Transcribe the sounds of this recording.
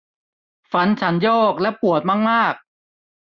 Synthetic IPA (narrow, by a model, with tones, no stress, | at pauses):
fa˨˦nt͡ɕʰa˦˥njɔː˥˩k̚lɛ˦˥pu˨˩ət̪̚maː˥˩k̚maː˥˩k̚